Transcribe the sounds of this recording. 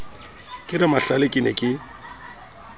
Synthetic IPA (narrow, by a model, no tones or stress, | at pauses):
kʼɪrɪmaɬalɪkʼɪnɛkʼɪ